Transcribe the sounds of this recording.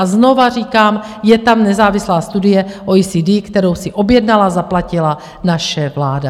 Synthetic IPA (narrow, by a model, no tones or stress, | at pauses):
azno̞variːkaːm | jɛt̪amnɛzaːvɪslaːst̪udɪjɛʔoiːsiːdiːkt̪ɛɾo̞wsɪʔo̞bjɛdnalazaplacɪla | naʃɛvlaːda